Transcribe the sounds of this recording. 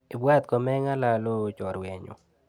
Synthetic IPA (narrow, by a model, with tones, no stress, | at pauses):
i˨bwa˦t̪̚kɔ˨mɛ˦ŋa˦la˨lo˦˨t͡ʃɔ˨ɾwe˨ɲo̰˨